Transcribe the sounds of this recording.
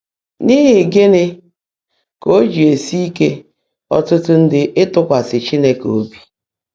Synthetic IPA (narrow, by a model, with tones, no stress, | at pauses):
ni˦ɦɪ˨ɡɪ˦nɪ˦ | ko˦d͡ʒi˨e˨si˦i˦ke˦ | ɔ̰˦tʊ˦tʊ˦n̩˦dɪ˦ʔɪ˦tʊ˦kʷa˨sɪ˨t͡ʃi˦ne˦ko˦bi˨